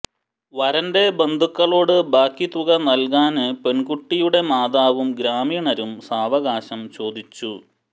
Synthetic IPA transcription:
ʋɐɾɐnde̞be̞nd̪ʱukːɐɭo̞ːɽɨbaːkːit̪uɣɐnɐlkaːnɨpe̞ɳkuʈːijuɽe̞maːd̪aːʋumɡɾaːmiɳɐɾumsaːʋɐɣaːɕɐmt͡ɕo̞ːd̪it͡ɕːu

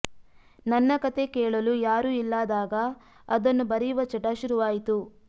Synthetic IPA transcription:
nɐnːɐkɐt̪e̞kɛːɭɐlujaːɾuːilːaːd̪aːɡɐː | d̪ɐnːubɐɾijuʋɐt͡ʃɐʈːaːʃuɾuʋaːjit̪u

